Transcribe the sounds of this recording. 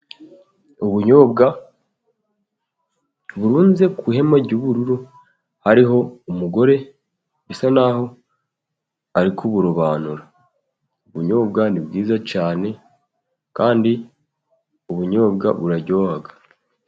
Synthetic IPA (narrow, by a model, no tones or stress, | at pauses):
uβuɲo̞ːbɡa | βuɾuːnze̞kuɦe̞maɟuβuɾuɾo | haɾiɦo̞umuɡo̞ɾe̞ | bisanaho̞ | aɾikʰuβuɾoβaːnuɾa | uβuɲo̞ːbɡanibɡiːzacaːne̞ | kaːndi | uβuɲo̞ːbɡa̰βuɾaɟo̞ːhaɡḁ